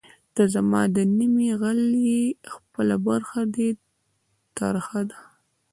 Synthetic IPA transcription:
d̪̥əzamɑ̰d̪ənimiɣalexpəlabaɾxad̪e | t̪ɑ̰ɾəxad̪a

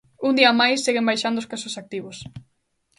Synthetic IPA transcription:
und̪iɐamajsːeɣembajʃand̪ʊoskasʊsak̚t̪iβʊs

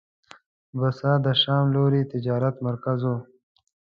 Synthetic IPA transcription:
basɑːd̪əʃɑːmloːɾit̪ɪd͡ʒɑːɾat̪maɾkazo

